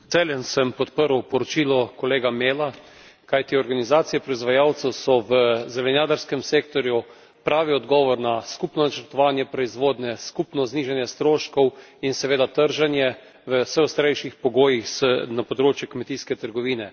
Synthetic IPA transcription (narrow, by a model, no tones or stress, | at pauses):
t̪seljɛnsɛmpɔt̪pəɾwpɔɾɔt͡ʃiːlɔkɔleːɡameːlakajt̪iɔɾɡanizaːt̪sijɛpɾɔizʋajaːwt̪sɛwsɔʋəzɛlɛnjaːd̪aɾskɛmseːkt̪ɔɾju | pɾaːʋiɔd̪ɡɔːʋɔɾnaskupnɔnat͡ʃəɾt̪ɔʋaːnjɛpɾɔizʋoːd̪nɛskupnɔzniːʒanjɛst̪ɾoːʃkɔwinsɛʋeːd̪at̪əɾʒanjɛ | ʋəsɛɔst̪ɾejʃixpɔɡoːjixsnapɔd̪ɾoːt͡ʃjɛkmɛt̪iskɛt̪əɾɡɔʋiːnɛ